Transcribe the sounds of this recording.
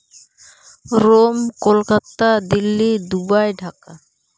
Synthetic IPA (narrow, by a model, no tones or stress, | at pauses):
ɾomkolkat̪ad̪ilːid̪ubajɖʱaka